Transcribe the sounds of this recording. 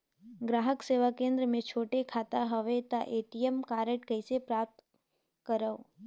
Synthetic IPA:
ɡɾaːɦəkseʋakẽːnd̪ɾəmẽt͡ʃʰoːʈekʰat̪aɦəʋet̪aʔeːʈijemkaːɾəʈkəɪsepɾaːp̚t̪ | kəɾəo

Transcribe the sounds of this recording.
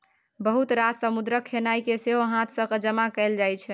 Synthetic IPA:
bəɦut̪ɾad͡ʒsəmud̪ɾəkʰːenaikeseɦoɦãt̪ʰsə̃kd͡ʒəmakɛld͡ʒajt͡ʃʰɛ

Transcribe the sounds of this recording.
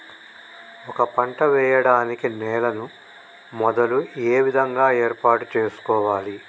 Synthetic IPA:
ɔkɐpɐɳʈɐʋɛːjɐɽaːnikinɛːlɐnu | mɔd̪ɐlueːʋid̪ʱɐŋɡaːeːɾpaːʈut͡ʃeːsu̥kɔːʋaːli

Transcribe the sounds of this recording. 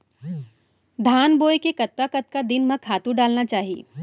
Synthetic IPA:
d̪ʱaːnboːekekɐt̪̚kakɐt̪̚kad̪ɪnmɐ̃kʰaːt̪uɖaːlnat͡ʃaːɦiḛː

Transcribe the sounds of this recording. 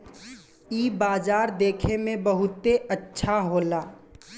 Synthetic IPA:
iːbaːd͡ʒaːɾd̪eːkʰemẽbəɦʊt̪eətːʃʰaɦoːlaː

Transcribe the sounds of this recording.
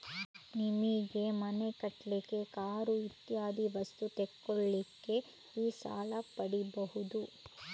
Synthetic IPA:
nimiɡe̞mɐne̞kɐʈlike̞kaːɾuit̪jaːd̪iʋɐst̪ut̪eɛkːoɭːikːe̞ | iːsa̰ːlɐpɐɽibɐhud̪u

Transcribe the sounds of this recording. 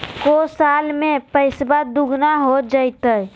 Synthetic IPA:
kosalmẽpəɪsbad̪uɡnaɦod͡ʒəjt̪əj

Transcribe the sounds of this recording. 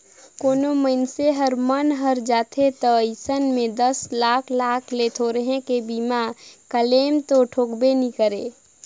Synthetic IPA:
koːnoməɪnseɦəɾmənɦəɾd͡ʒaːt̪ʰet̪əəɪsənmẽd̪əslaːkʰlaːkʰlet̪ʰoɾəɦẽkebiːmakəleːmt̪oʈʰoːkbenikəɾeː

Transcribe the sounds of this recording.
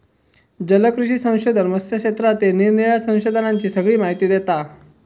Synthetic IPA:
d͡ʑələkɾuɕiːsə̃w̃ɕod̪ʱənməsjəkʂet̪ɾat̪eniɾniɭasə̃w̃ɕod̪ʱənaɲt͡ɕiːsəɡɭiːmaɦit̪iːd̪et̪a

